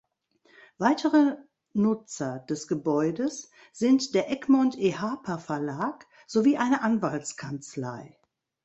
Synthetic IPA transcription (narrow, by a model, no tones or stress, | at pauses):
v̥aɪtʰəʁə | nʊt͡sɐd̥ɛsɡ̥əbɔʏdəs | z̥ɪntd̥eːɐʔɛkmɔntʰehaːpʰafɛɐlaːk | z̥oviːʔaɪnəʔanvaltt͡skʰant͡sla̰ɪ